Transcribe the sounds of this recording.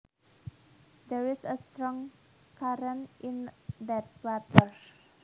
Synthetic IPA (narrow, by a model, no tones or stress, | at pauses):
d̪ɛɹisəst̪ɾɔ̃ŋ | kaɾə̃nʔĩndɛt̪̚wat̪əɹ